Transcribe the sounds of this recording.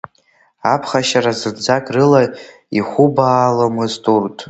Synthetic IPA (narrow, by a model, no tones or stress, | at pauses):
apʰχaʃaɾazɨrd͡zakʼrɨla | iχʷubaːlamɨztʼurtʼ